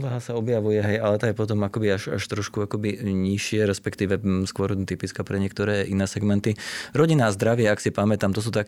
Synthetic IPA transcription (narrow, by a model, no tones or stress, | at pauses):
uʋaɦasaɔbjaʋujɛɦɛjalɛt̪ajɛpɔt̪ɔmakɔbiaʃa̰ʃt̪ɾɔʃkuakɔbiɲiʃɪɛɾɛspɛkt̪iːʋɛskʊɔɾt̪ipit͡skapɾɛɲɪɛk̚t̪ɔɾɛːʔinɛːsɛɡmɛnt̪iɾɔɟinaːzd̪ɾaʋɪɛaksipamɛt̪amt̪ɔs̬uːt̪ak